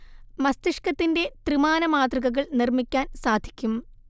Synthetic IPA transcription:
mɐst̪iʂkɐt̪ːinde̞t̪rɨmaːnɐmaːt̪rɐɣɐɣɐɭnirmikʲːaːnsaːd̪ʱi̥kʲːum

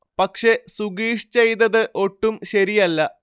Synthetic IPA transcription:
pɐkʂe̞suɡiːʂi̥t͡ɕejt̪ːɐðɨʔo̞ʈːumɕɐɾijɐlːɐ

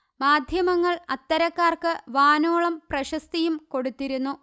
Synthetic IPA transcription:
maːd̪ʱjɐmɐŋːɐɭɐt̪ːɐɾɐkːaːrkɨʋaːnoːɭɐmprɐɕɐst̪ijumko̞ɽut̪ːiɾunːu

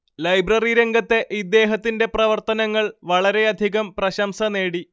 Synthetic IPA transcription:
lɐjbrɐriɾeŋɡɐt̪ːe̞ʔid̪e̞ːɦɐt̪ːinde̞prɐʋɐrt̪ɐnɐŋːɐɭʋɐɭɐɾe̞ɐd̪ʱiɣɐmprɐɕɐmsɐne̞ːɽi

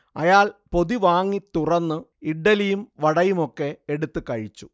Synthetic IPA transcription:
ɐ̰jaːlpo̞ðiʋaːŋːit̪ːurɐnːɨiɖːɐlijumʋɐɽɐjumo̞kːe̞eɽut̪ːɨkɐɻit͡ɕːu

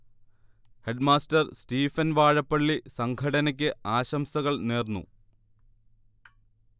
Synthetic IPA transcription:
heɖmaːstɐrstiːfɐnʋaːɻɐpːɐɭːisɐŋkʰɐɽɐnɐk̬ʲːɨaːɕɐmsɐɣɐɭneːrnːṵ

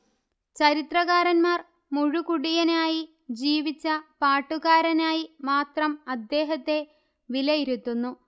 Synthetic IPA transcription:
t͡ɕɐɾit̪rɐɣaːɾɐnmaːr | muɻukuɽijɐnaːji | d͡ʑiːʋit͡ɕːɐpaːʈːuɣaːɾɐnaːjimaːt̪rɐmɐd̪ːe̞ːɦɐt̪ːe̞ | ʋilɐjiɾut̪ːunːu

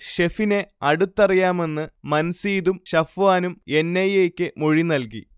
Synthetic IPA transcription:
ɕefine̞ɐɽut̪ːɐrijaːme̞nːɨmɐnsiːðumɕɐfʋaːnume̞nːɐjeːkʲːɨmoɻinɐlkḭ

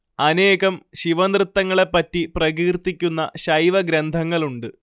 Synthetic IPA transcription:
ɐne̞ːɣɐmɕiʋɐnd̪rɨt̪ːɐŋːɐɭe̞pːɐtːiprɐɣiːrt̪ːikʲːunːɐɕɐjʋɐɡɾend̪ʱɐŋːɐɭuɳɖɨ

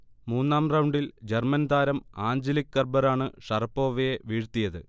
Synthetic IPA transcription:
muːnːaːmrɐwɳɖild͡ʑermɐnd̪aːɾɐmaːɲd͡ʑɐlikːɐrbɐɾaːɳɨʂɐrɐpːo̞ːʋɐjeʋiːɻt̪ːijɐðɨ

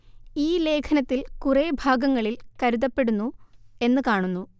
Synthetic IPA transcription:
iːle̞ːkʰɐnɐt̪ːilkurebʱaːɡɐŋːɐɭilkɐɾuðɐpːe̞ɽunːue̞nːɨkaːɳunːu

